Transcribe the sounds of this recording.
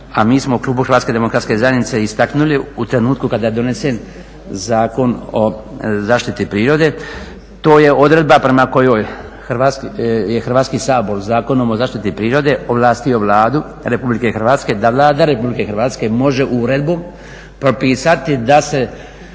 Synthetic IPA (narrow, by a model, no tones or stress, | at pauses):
amiːsmouklˠuːbuxɾʋaːt̪ke̞d̪emo̞kɾat̪ske̞zajenit̪seist̪aknuliut̪ɾe̞nuːt̪kukad̪aːjed̪o̞ne̞sen | zaːko̞nozaːʃt̪it̪ipɾiːɾo̞d̪e̞ | t̪o̞ːje̞o̞d̪ɾe̞d̪̚bapɾe̞mako̞jo̞ːj | xɾʋat̪skjexɾ̩ʋaːt̪skisaːbolzaːko̞nomozaːʃt̪it̪ipɾiːɾo̞d̪e̞oʋlˠaːst̪io̞ʋlˠaːd̪u | ɾe̞publike̞xrʋaːt̪ske̞d̪aʋlˠaːd̪aɾe̞publike̞xɾʋaːt̪ske̞mo̞ʒe̞ʔuɾe̞d̪bo̞ːm | pɾo̞piːsat̪id̪ase̞